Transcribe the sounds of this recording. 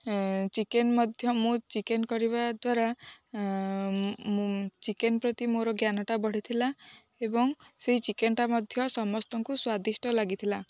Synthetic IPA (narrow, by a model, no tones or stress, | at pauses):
t͡ʃikenmɔd̪ʱjɔmũt͡ʃikenkɔɾiβad̪waɾa | t͡ʃikenpɾɔt̪imoɾɔɡjanɔʈabɔɽ̤it̪ʰila | ebɔŋseɦit͡ʃikenʈamɔd̪ʱjɔsɔmɔst̪ɔŋkuswad̪isʈɔlaɡit̪ʰila